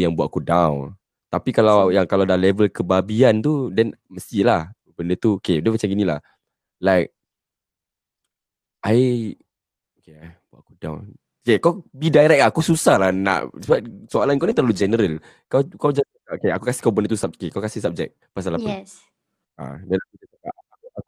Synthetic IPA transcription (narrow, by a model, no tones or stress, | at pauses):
jaŋbuaʔ̚kudawn | t̪apikalawjaŋkaladalɛvəlkəbabiant̪udɛnməst̪ilah | bəndət̪uokeudəpat͡ʃaŋɡinilah | laɪk̚ | ʔaj | okebua̰ʔkudã̰wn | okekawbidaiɾɛʔk̚akususahlahna̰ʔsəbap̚soalankanit̪əlud͡ʒɛnəɾəl | kawkawd͡ʒa | aokeakukasi̥kawbəndət̪usap̚kekawkasisap̚d͡ʒɛ̰k̚pas̬alapə | a̰dɛnakutaa̰aua